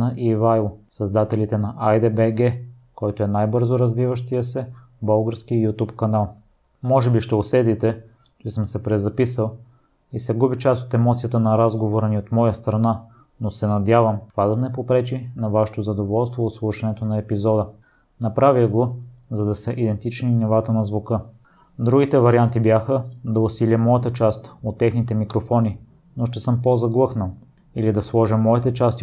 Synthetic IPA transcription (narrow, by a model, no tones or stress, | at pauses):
nɐʔivajlˠsɐzd̪at̪ɛlit̪ɛnɐʔajd̪ɛbɛɡɛ | kɔjt̪oɛnajbɤɾzoɾɐzvivəʃt̪ijəsɛ | bɤlˠɡəɾskijut̪upkɐnalˠ | mɔʒɛbiʃt̪ɛosɛt̪it̪ɛ | t͡ʃɛsɤmsɛpɾɛzɐpisəlˠ | isɛɡubit͡ʃasot̪ɛmɔt̪sijət̪ənɐɾazɡovoɾɐniot̪mɔjəst̪ɾɐna | nosɛnɐd̪ʲjavəmt̪ovad̪ɐnɛpopɾɛt͡ʃinɐvaʃɛ̥t̪ozɐd̪ovɔlˠst̪voːt̪slˠuʃɐnɛt̪onɐɛpizɔd̪ə | nɐpɾaviɡozɐd̪ɐsɛʔid̪ɛnt̪it͡ʃninɛvat̪ənɐzvukɤ | d̪ɾuɡit̪ɛvɐɾiant̪ibjaxəd̪ɐʊsilʲəmɔjət̪ət͡ʃast̪ot̪ːɛxnit̪ɛmikɾofɔni | noʃt̪ɛsɤmpozɐɡlˠɤxnəlˠ | ilid̪ɐslˠɔʒəmːɔit̪ɛt͡ʃast̪